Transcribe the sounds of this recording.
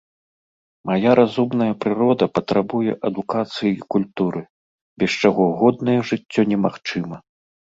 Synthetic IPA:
majaɾʔazumnɐjɐpɾɨɾɔd̪ɐpɐt̪ɾabujɛʔɐd̪ukat̪sɨjiikulʲt̪uɾɨ | bʲɛst͡ʂaɣɔɣɔd̪nɐjɛʐɨtt͡sʲːɔnʲɛmaxt͡ʂɨmɐ

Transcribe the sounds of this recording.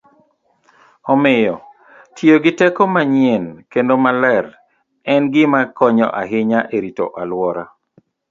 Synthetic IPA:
ɔmɪjɔ | tʰjoɡɪtɛkɔmaɲienkendomalɛɾ | ɛnɡɪmakɔɲɔ̰ʔaɦɪɲaʔeɾito̰ʔalwɔɾa

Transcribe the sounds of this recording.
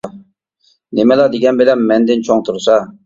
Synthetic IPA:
nemɛlɑd̪eɡʲɛnbɪlɛmːɛnd̪ɪnt͡ʃʰoŋt̪ʰuɾsɑ

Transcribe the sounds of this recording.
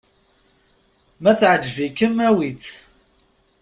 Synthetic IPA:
mæθʕəd͡ʒvikəmæwit͡s

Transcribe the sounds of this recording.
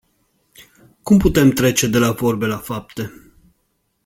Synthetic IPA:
kumput̪e̞mt̪ɾe̞t͡ʃe̞d̪e̞lavo̞rbe̞lafap̚t̪e̞

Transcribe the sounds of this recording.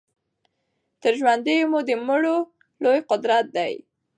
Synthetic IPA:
t̪əɾʒwand̪əjomud̪əmʊɽo | lojqʊd̪ɾat̪̚d̪aj

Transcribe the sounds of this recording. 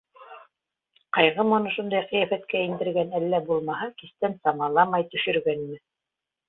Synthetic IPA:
qɑjʁɤmŏnɤʃund̪ɑjqijæfæt̪kæind̪ɘ̆ɾɡænælːæbulˠmɑɦɑkist̪ænsɑmɑlˠɑmɑjt̪ɵ̆ʃɘ̆ɾɡænmɘ

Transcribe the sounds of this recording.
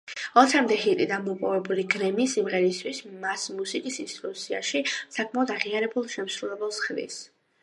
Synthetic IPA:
ɔt̪ʰɛmd̪ɛhit̪ʼid̪anmɔpʼɔvɛbuliɡɾɛmiːsimʁɛɾist̪ʰwismasmusikʼisinst̪ʼɾusʰia̰ʃisakʼʰmaɔd̪aʁiaɾɛbulˠʃɛmsɾulɛbɛlˠsχnḭs

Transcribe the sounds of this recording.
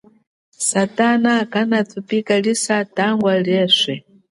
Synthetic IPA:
satanakanat̪ʰupikaɺisataŋɡwaɺɛːsʷɛ

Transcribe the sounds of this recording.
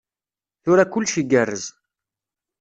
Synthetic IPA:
θʊɾækʊlːʃiɡərːəz

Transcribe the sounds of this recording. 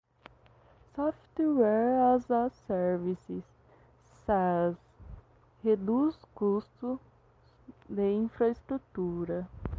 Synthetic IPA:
sɔft̪wɛɾazasɛɾvisɪsː | az | hed̪uskust̪ʊ | d̪eĩfɾɐest̪ɾut̪uɾɐ

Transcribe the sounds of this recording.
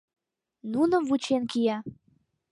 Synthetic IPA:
nunəvut͡ɕenkijɑ

